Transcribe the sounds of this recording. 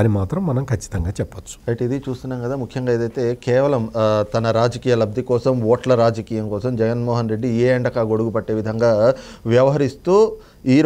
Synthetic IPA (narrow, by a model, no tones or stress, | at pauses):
aːnimaːt̪ɾɐmːɐnɐmkʰɐt͡ʃːi̥t̪ɐŋɡaːt͡ʃɛpːɐt͡ʃːu̥ɐjʈid̪it͡ʃuːst̪unːaːmkɐd̪aːmukʰjɐŋɡaːed̪ɐjt̪e̞kɛːʋɐlɐmt̪ɐnɐɾaːd͡ʒɐkiːjɐlɐb̚d̪ʱikɔːsɐmʋɔːʈlɐɾaːd͡ʒɐkiːjɐmkɔːsɐmd͡ʒɛɡɐnmɔːɦɐnɾeɖːieːɐɳɖɐkaːɡo̞ɽuɡupɐʈːe̞ːʋid̪ʱɐŋɡaːʋjɐʋɐɦɐɾist̪uː | iːɾ